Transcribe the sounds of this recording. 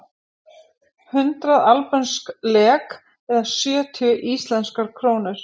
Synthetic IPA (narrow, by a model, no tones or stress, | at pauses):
hʏnt̪ɾaðalpɛnsklɛːk | ɛɾðasjœːt̪ʰjʏʔiːst̪lɛnskaɾ̥kʰɾoːwnʏɾ̥